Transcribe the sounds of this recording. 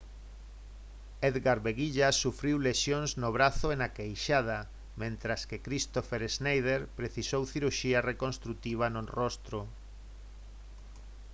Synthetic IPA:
eðɣaɾβeɣiʎasufɾiwleʃjoŋznoβɾaθoenakejʃað̞a | mẽnt̪ɾaskekɾist̪ofeɾeznajð̞eɾpɾeθisowθiɾuʃiarekonst̪ɾut̪iβ̞anonrost̪ɾo

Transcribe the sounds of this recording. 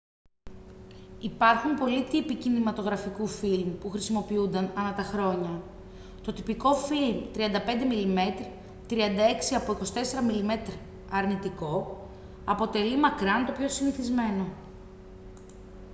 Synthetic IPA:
ipɐɾxumpo̞lit̪ipicinimɐt̪o̞ɣɾɐfikufilmupuxɾisimo̞piund̪ɐnɐnɐt̪ɐxɾo̞ɲɐ | t̪o̞t̪ipiko̞filmt̪ɾiɐnd̪ɐpe̞nd̪e̞milime̞t̪ɾi | t̪ɾiɐnd̪ɐe̞ksiɐpoiko̞si̥t̪e̞se̞ɾɐmilime̞t̪ɾi | ɐɾnit̪iko̞ | ɐpo̞t̪e̞limɐkɾɐnt̪o̞pço̞siniθizme̞no̞

